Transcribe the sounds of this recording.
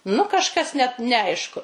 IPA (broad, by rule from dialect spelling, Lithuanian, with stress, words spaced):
nʊ kɐʃˈkɐs nʲɛt nʲɛˈɐɪʃkʊ